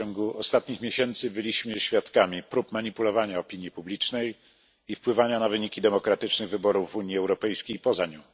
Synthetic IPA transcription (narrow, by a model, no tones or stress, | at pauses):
ɔŋɡuɔst̪at̪ɲixmʲeɕɛnt̪sɘbɘlʲiɕmɘɕfʲjat̪kamʲipɾupmaɲipulɔvaɲaɔpʲiɲjipublʲit͡ʂnɛj | ifpwɘvaɲanavɘɲikʲid̪ɛmɔkɾat̪ɘt͡ʂnɘɣvɘbɔɾuvːuɲjiɛwɾɔpɛjskʲejpɔzaɲɔ̃